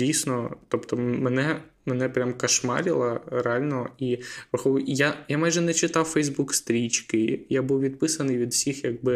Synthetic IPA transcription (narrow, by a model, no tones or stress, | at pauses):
isnɔt̪ɔpt̪ɔmɛnɛ | menɛpɾʲamkɐʃmɑ̰ɾʲɪlˠɐɾɛalʲnɔipɾɐxɔjajamɑjʒɛnɛt͡ʃɪt̪ɑwfɛjzbukst̪ɾʲit͡ʃkɪjabuwʋʲid̪̚pɪsɐnɪjʋʲid̪wsʲixjɐɡ̚bɪ